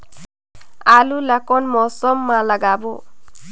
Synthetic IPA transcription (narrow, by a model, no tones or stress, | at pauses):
alulakɔnmɔsɔmːalaɡabɔ